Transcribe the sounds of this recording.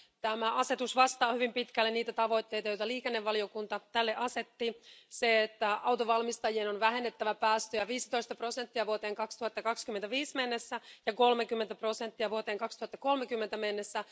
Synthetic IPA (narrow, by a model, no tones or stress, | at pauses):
t̪æmæɑse̞t̪usʋɑst̪ɑːhyʋimpit̪kælːeniːt̪æt̪ɑʋo̞jt̪ːejt̪ɑjojt̪ɑliːkenːeʋʋɑlio̞kunt̪ɑt̪ælːeʔɑse̞t̪ːiseet̪ːæɑwt̪oʋɑlmist̪ɑjienonʋæɦe̞nːet̪ːæʋæpæːst̪øjæʋiːsi̥t̪o̞ist̪ɑpro̞se̞nt̪ːiæʋuot̪eːŋkɑkst̪uhɑt̪ːɑkɑkskyment̪æʋiːsme̞nːesːæjɑko̞lmekymːent̪æpro̞se̞nt̪ːiæʋuot̪e̞ːŋkɑkst̪uhɑt̪ːɑko̞lmekymːent̪æmenːesːæ